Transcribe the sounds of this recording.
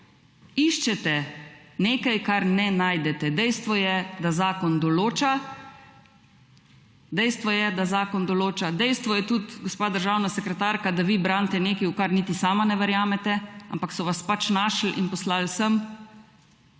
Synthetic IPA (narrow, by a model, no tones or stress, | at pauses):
iʃt͡ʃɛt̪ɛneːkajkaɾnɛnajd̪ɛt̪ɛd̪ɛjst̪ʋɔjɛd̪azaːkɔnd̪ɔloːt͡ʃa | d̪ɛjst̪ʋɔjɛd̪azaːkɔnd̪ɔloːt͡ʃad̪ɛjst̪ʋɔjɛt̪ut̪ɡɔspaːd̪əɾʒaːwnasɛkɾɛt̪aːɾkad̪aʋiːbɾant̪ɛneːkɛjukaɾnit̪isaːmanɛʋɛɾjaːmɛt̪ɛa̰mpaksɔʋaspat͡ʃnaːʃl̩ʔinpɔslalsəm